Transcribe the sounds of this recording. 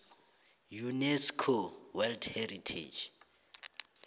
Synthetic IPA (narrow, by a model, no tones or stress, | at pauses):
junɛskʰowɛldʰhɛritʰḛd͡ʒ